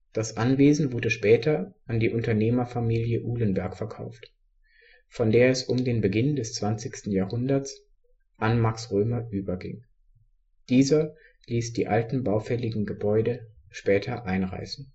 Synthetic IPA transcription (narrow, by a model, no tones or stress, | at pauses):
d̥asʔanveːzn̩vʊɐdəʃpɛːtʰɐʔandiːʔʊntɐneːmɐfamiːljəʔuːlənbɛɐkfɛɐkʰa̰ʊft | fɔndeːɐɛsʊmdeːnbəɡɪndɛst͡sv̥ant͡sɪçstn̩jaːhʊndɐt͡s | ʔanmaksʁøːmɐʔyːbɐɡɪ̰ŋ | d̥iːzɐ | liːsd̥ḭːʔaltn̩baʊfɛlɪɡŋ̩ɡəbɔʏdə | ʃpɛːtʰɐʔaɪnʁa̰ɪsn̩